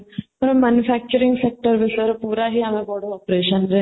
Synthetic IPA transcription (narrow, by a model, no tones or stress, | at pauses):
ɐɾmæːnjufʰæːk̚t͡ʃəɾɪ̃ŋɡsek̚ʈəɾʋɪsəɾpuːɾaɦiɦɐmẽbɔɽoɔːpɾeːʃənɾe